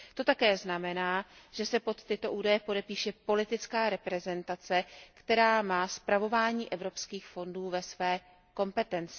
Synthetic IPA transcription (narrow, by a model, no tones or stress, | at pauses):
t̪o̞t̪akɛːznamɛnaːʒ̥ɛsɛpo̞t̪ːɪt̪o̞ʔuːdajɛpo̞dɛpiːʃɛpo̞lɪt̪ɪt͡skaːɾɛpɾɛzɛnt̪at͡sɛkt̪ɛɾaːmaːspɾavo̞vaːɲiːʔɛvɾo̞pskiːxfo̞nduːvɛsvɛː | ko̞mpɛt̪ɛnt͡sɪ̥